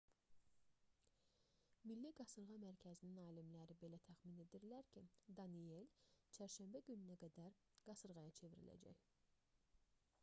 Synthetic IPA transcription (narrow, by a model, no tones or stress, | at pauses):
milːiɡɑsɯɾʁɑmæɾcʰæzininɑːlimlæɾibe̞læt̪ʰæxmine̞d̪iɾlæɾcʰid̪ɑnie̞lt͡ʃʰæɾʃæmbæɟynynæɡæd̪æɾ | ɡ̥ɑsɯɾʁɑjɑt͡ʃʰe̞viɾḭlæ̰d͡ʒæ̰ç